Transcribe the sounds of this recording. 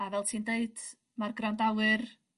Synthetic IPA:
avɛlˠtʰiːndeɨd̥ | marɡrandawɨr

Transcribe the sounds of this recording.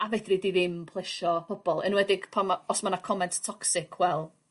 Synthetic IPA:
avɛdridiðɪmpʰlˠɛʃɔpʰɔbɔlˠɪnwɛdɪɡ̥pʰamaɔsmanakʰɔmɛntʰtʰɔksɪkʰwɛlˠ

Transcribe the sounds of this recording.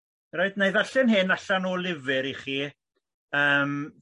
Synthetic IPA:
roɨdnejðaɬɨnɦɪnaɬanoːlˠɪvɪɾiχiː | əːm

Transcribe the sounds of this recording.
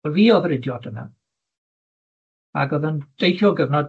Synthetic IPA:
lviːɔðɾɪdjɔdəna̰ | a̰ɡɔðənd̥ejɬɔɡəvnɔd

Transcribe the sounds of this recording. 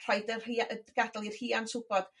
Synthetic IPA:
r̥ajdəhiɡ̥adlˠir̥hiːansʊbɔd̥

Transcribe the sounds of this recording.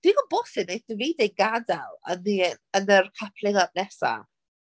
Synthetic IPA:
d̥wiɡɔlˠbɔːsɪneθdəviːdeɡadalˠə̰niənərkʰapʰlˠɪðab̚nɛsa̰

